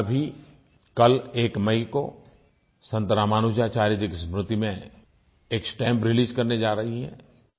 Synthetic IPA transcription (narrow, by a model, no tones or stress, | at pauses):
bʱi | kɐleːkmɐiko̰ | sɐ̃nt̪ɾaːmaːnud͡ʒaːt͡ʃaːɾid͡ʒiksmɾʊt̪imẽ | eːksʈɛ̃ːmpɾɪliːzkɐɾned͡ʒaːɾɐɦiɦɛ̰̃ː